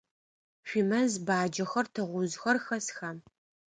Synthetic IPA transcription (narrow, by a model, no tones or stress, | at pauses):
ɕʷimɐzbaːd͡ʒɐxɐrtʰɐʁʷʊzxɐrxɐsxaːm